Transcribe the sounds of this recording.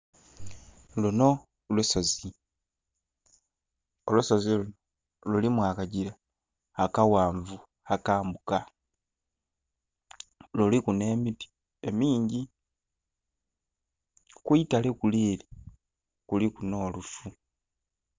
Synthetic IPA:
luno | lusozi | olusoziluno | lulimwaːkaɟiɾaː | kawaːɱvu | akaːmbuka | lulikune̞ːmipi̥ | e̞miːɲɟi | kwuitalekuliːli | kulikuno̞ːlufu

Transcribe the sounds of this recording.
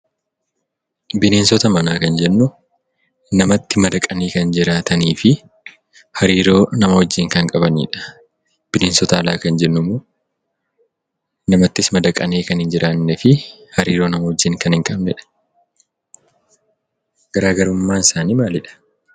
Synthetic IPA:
bɪneːnsɔt̪ɐmɐnaːkɐnd͡ʒɛnːʊ | nɐmɐt̪ːɪmɐd̪ɐkʼɐneːkɐnd͡ʒɪɾaːt̪ɐniːfɪ | hɐɾiːɾo̞ːnɐmɐwɔd͡ʒːɪŋkɐŋkʼɐbɐnḭːᶑɐ̥ | b̥ɪneːnsɔt̪ɐːlaːkɐnd͡ʒɛnːʊmoː | nɐmɐt̪ːɪsmɐd̪ɐkʼɐneːkɐnhɪnd͡ʒɪɾaːnːɛfɪhɐɾiːɾo̞ːnɐmɐwɔd͡ʒːɪŋkɐnhɪŋkʼɐbnɛᶑɐ̥ | ɡ̥ɐɾaːɡɐɾʊmːaːnɪsaːniːmaːlɪᶑɐ̥

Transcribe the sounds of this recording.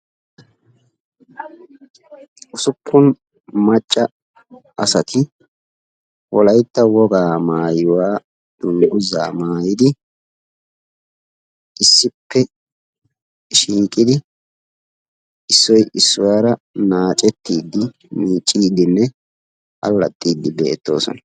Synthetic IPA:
ʊsʊpʰːʊn | mɐt͡ʃʼːɐ | ɐsɐt̪ʰɪ | wɔlɐjt̪ːɐwɔɡaːmaːjɪwaː | d̪̥ʊŋʔʊza̰ːmaːjɪd̪ɪ | ʔɪsːɪpːɛ | ʃiːkʼɪd̪ɪ | ɪsːɔjʔɪsːʊwaːɾɐ | naːt͡ʃʼɛt̪ːiːd̪ːɪ | miːt͡ʃʼːiːd̪ːɪnːɛ | ʔɐ̰lːɐ̰t̪ʼːiːd̪ːɪbeːt̪ːo̞̰ːsɔ̰nɐ

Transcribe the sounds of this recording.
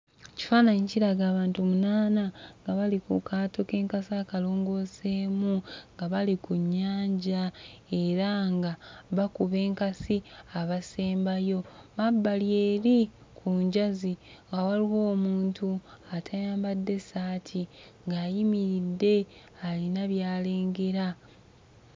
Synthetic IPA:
ci̥faːnaɲiciɾaɡaːβaːntumunaːnaŋɡaβalikukʰaːto̞ke̞ːŋkasaːkalo̞ːŋɡo̞seːmuŋɡaβalikuɲːaːɲɟae̞ɾaŋɡaβakuβe̞ːŋkasiaβaseːmbajo̞mabːalje̞ːɾi | kʰuɲɟaziŋɡawaliwo̞ːmuːntʰuatʰajaːmbadːe̞saːtʰi | ŋɡaːjimiɾidːe̞ | alinaβjaːleːŋɡe̞ɾa

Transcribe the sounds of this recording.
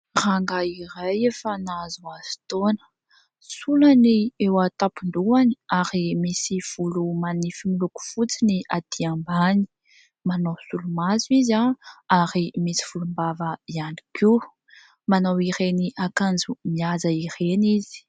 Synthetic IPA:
raŋɡaiɾajefanazuazi̥t̪onə̥ | sulaniewat̪apund̪uani̥aɾimisiv̥ulumanifimiluku̥fut͡siniʔad̪̥iambani̥ | manowsulumazuizaaɾimisi̥v̥ulumbavəianiki | manawiɾeniʔakand͡zumiazaiɾenizi̥

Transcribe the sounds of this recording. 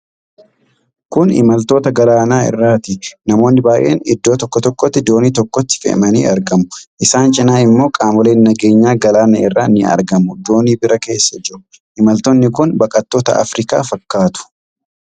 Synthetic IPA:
kʊnɪ̰mɐlt̪o̞ːt̪ɐɡɐlaːnaːɪ̰rːaːt̪ɪnɐmo̞ːnːɪbaːʔe̞̰ːnɪd̪ːo̞ːt̪ɔkːɔt̪ɔkːɔt̪ːɪd̪o̞ːniːt̪ɔkːɔt̪ːɪ̥fɛ̰ʔmɐnḭːʔɐɾɡɐmʊʔɪsaːnt͡ʃʼɪnaːɪmːo̞ːkʼaːmɔle̞ːnːɐɡe̞ːɲːaːɡɐlaːnɛɪrːaːnɪɐ̰ɾɡɐmʊd̪o̞ːniːbɪɾɐke̞ːsːɐd͡ʒɪɾʊ | ʔɪmɐlt̪ɔnːɪkʊnbɐkʼɐt̪ːoːt̪ɐ̰ʔɐ̰fɾɪka̰ːfɐkːaːt̪ʊ̥

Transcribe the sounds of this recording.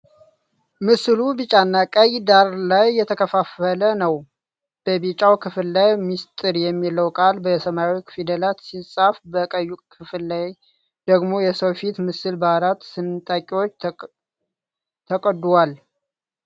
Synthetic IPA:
mɨsɨlubɨt͡ʃʼanːakʼəjd̪aɾlajːɛt̪ʰəkʰəfafələnəw | b̥əbit͡ʃʼawkʰɨfɨlːajmist̪ʼɨɾjɛmːilːəwkʼalbəsəmawikfid̪əlat̪sisʼafbəkʼəjːukʰɨflːaj | d̪əɡmo̞jɛsəwfit̪mɨsɨlbaɾat̪sɨnɨt̪ʼakʼiwo̞t͡ʃː | t̪ʰəkʼəd̪ːwal

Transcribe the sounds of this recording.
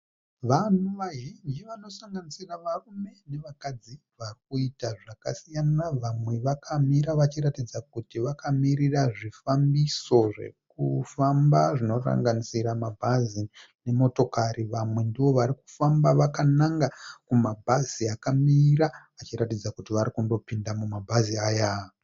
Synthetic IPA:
ʋan̤uʋaɦiɲd͡ʒiʋano̞saŋɡanisiraʋarume̞ne̞ʋakad͡zi | ʋarikuitaʐakasijanaʋamwe̞ʋakʰamiɾaʋat͡ʃiratid͡zakutiʋakamiriraʐifambiso̞ʐe̞̰kufambaʐino̞ra̰ŋɡanisiɾamabʱazine̞mo̞to̞kariʋamwe̞ndiʋo̞ʋaɾiku̥fambaʋakanaŋɡakumabʱaziakamira | at͡ʃiɾatid͡zakutiʋaɾikundo̞pindamumabʱaziaːja

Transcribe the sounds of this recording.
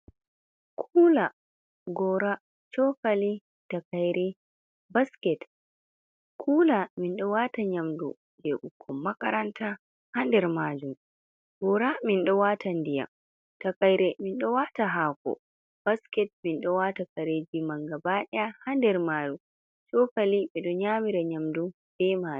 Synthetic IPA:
kʰuːla | ɡɔɾa | t͡ʃɔkali | takajɾɛ | baskɛt | kʰuːlaminɗɔwataɲamdɔ̰ | d͡ʒeɓukʰːɔmːakaɾanta | handɛɾmaːd͡ʒum | bɔɾaminɗɔwatʰandija̰ | takajɾɛminɗɔwataɦakɔ̰ | b̥askɛt̚minɗɔwatakaɾed͡ʒimaŋɡabaɗahandɛɾmalu | t͡ʃɔkaliɓɛɗɔɲamiɾaɲamdu | b̥ɛmaː

